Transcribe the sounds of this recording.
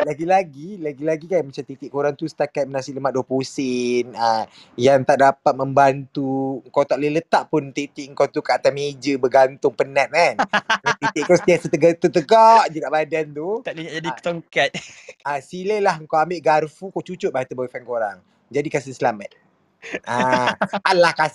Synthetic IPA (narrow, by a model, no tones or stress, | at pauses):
laɡilaɡilaɡilaɡikajmat͡ʃamt̪it̪ɪʔkoɾaŋt̪usə̥t̪akat̪̚mənasiʔləmat̪̚dɔpusɪnə | jaŋt̪aʔdapat̪̚məmbant̪uŋkawt̪aʔlələt̪aʔpʊnt̪it̪iʔŋ̩kawt̪ukaʔat̪amed͡ʒəbəɡant̪ʊŋpənat̪̚manat̪it̪iʔkɔsət̪iasət̪əɡat̪ut̪əɡaʔd͡ʒədaʔbadant̪ut̪aʔliɲad͡ʒadiə̥t̪oŋkat̪̚asiləlahŋkawambɪʔɡarfukawt͡ʃut͡ʃʊt̪̚baat̪ubawefankoɾaŋ | d͡ʒadikas̬insəlamat̪̚ | aanlahka